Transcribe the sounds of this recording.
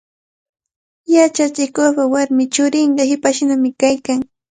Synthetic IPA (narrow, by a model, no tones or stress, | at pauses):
jat͡ʃat͡ʃɪkopawaɾmɪt͡ʃʊɾɪɴɢɑhɪpaʃnamɪkajkaŋ